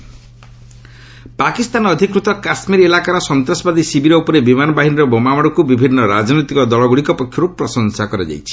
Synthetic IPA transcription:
pakist̪anɔɔd̪ʱikɾut̪ɔkasmiɾelakaɾɔsɔnt̪ɾɔsɔbad̪isibiɾɔupɔɾebimanɔbaɦiniɾɔbɔmamɔɽ̃ɔkubibʱinːɔɾad͡ʒnɔjt̪ikɔd̪ɔɭɔɡuɽikɔpɔkʰːjɔɾupɾɔsɔŋsakɔɾad͡ʒa̰jt͡ʃʰi̥

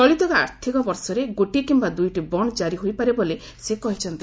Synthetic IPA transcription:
ɔɭit̪ɔkaa̰ɾt̪ʰikɔbɔɾsɔɾeɡoʈikimbad̪ujʈibɔɳ̃d͡ʒaɾiɦojpaɾebole | sekɔɦit͡ʃʰɔnt̪i

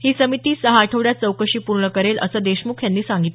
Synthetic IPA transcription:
hiːsəmit̪iːsəɦaːʈʰəʋɽjat̪̚t͡səwkəɕiːpuɾɳəkəɾelʔə̰səːd̪eɕmukʰjanːiːsaŋɡit̪

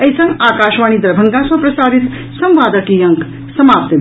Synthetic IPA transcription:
ɐjsɐ̃ŋɡaːkaːʃʋaːñid̪ɐɾbʱɐŋɡasɐ̃pɾɐsaːɾit̪ | sɐ̃mʋaːd̪ɐkijɐŋk | sɐmaːp̚t̪

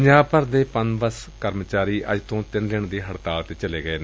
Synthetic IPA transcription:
ɲaːpəɾd̪eːpənbəskəɾmt͡ʃaːɾiːʔə̰d͡ʒt̪õːt̪ɪnd̪ɪɳd̪iːɦəɽt̪aːlt̪ẽːt͡ʃəleːɡəeːnː

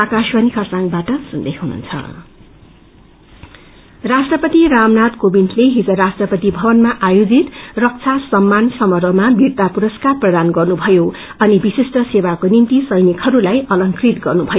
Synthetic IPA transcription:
akaswʌnikʰʌsãŋbaʈʌsund̪eɦɦunṵnt͡sʰʌ̰ | rasʈrʌpʌt̪iramnad̪kobintʰleɦid͡zʌɾasʈrʌpʌt̪ibʱʌbʌnmaʔajod͡zit̪rʌk̚t͡sʰasʌmːansʌmʌrbʌmabirt̪apuɾʌskarprʌd̪anɡʌrnubʱʌjo | ʌnibisesʈʌsebakonint̪isʌjnikhʌɾulajʌlʌŋkrit̪ɡʌrnubʱʌjo

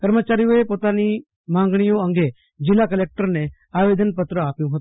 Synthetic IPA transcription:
kəɾmət͡ʃaːɾijõepot̪ani | mãːŋɡɽ̃ijõə̃ŋɡe | d͡ʒɪlːakəlek̚ʈəɾne | aːʋed̪ʱənpət̪ɾəaːpjũɦət̪ũ

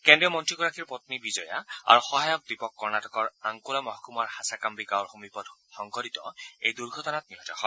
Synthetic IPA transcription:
kɛndiɔmɔntɹiɡɔɹakʰiɹpɔt̪nibizɔja̰a̰ɹuxɔɦajɔk̚dipɔkːɔɹnatɔkɔɹaŋkulamɔɦkumaɹhasakambiɡawɹxumipɔdxɔŋkɔɾitɔ̰ḛjduɹɡʱɔtɔnat̚niɦɔtɔxɔ

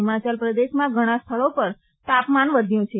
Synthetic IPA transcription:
ɪmat͡ʃəlpɾəd̪eʃmãɡʱəɽ̃ãst̪ʰəɭopəɾ | t̪apmanʋəd̪ʱjũt͡ʃʰe

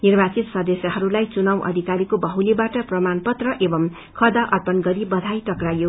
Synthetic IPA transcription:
nirbat͡sit̪sʌd̪esjʌɦʌɾulajt͡sunawʔʌ̰d̪ʱikaɾikobʌɦulibaʈʌprʌmanpʌt̪rʌʔebʌm | kʰʌd̪aʔʌrpʌnɡʌɾibʌd̪ʱajʈʌkrajo

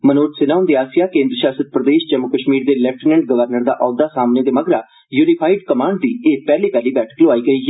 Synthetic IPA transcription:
mənoːʈsɪnãːʊnd̪eːaːsɪjaːkẽːnd̪ɾəʃaːsəd̪̚pɾəd̪eːʃd͡ʒəmːʊkəʃmiːɾd̪eːlɛp̚ʰʈnə̃ɳʈ̚ɡəʋəɾnəɾd̪a̰ːʔɔːd̪aːsaːmneːd̪eːməɡɾaː | juːnɪpʰaːɪɖkəmaːɳɖd̪iːeːpɛːliːpɛːliːbɛːʈʰə̥kloaːiːɡəiː

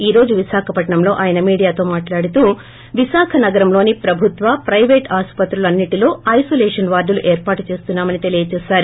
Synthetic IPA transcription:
iːɾo̞ːd͡ʒuʋisaːkʰɐpɐʈɳɐmlo̞ːʔaːjɐnɐmiːɽijaːt̪o̞ːmaːʈlaːɽut̪uː | ʋiʃaːkʰɐnɐɡɐɾɐmlo̞ːnipɾɐbʱut̪ʋɐpɾɐjʋeːʈaːspɐt̪ɾulɐnːiʈilo̞ːɐjsoːleːʂɐnʋaːɾuluʔeːɾpaːʈut͡ʃe̞ːst̪unːaːmɐnit̪e̞lijɐt͡ʃɛːsaːɾu

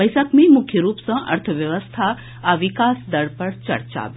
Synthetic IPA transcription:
əjsəkmẽmʊkʰjəɾuːpsɐ̃ʔɐ̰ɾt̪ʰəʋjɐʋəst̪ʰa | aʋikaːsd̪ɐɽpɐɾt͡ʃɐ̰ɾt͡ʃa̰b

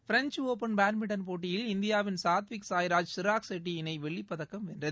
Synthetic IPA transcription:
fɪɾɐɲt͡ʃoːpɐnbaːnmɪʈːɐnpoːʈːɪjɪlɪnd̪ɪjaːʋɪnsaːt̪ʋɪksaːjɪɾaːd͡ʒsɪɾaːksɛʈːiɪnɐɪʋɛɭːɪpːɐðɐkːɐmɛndrɐð

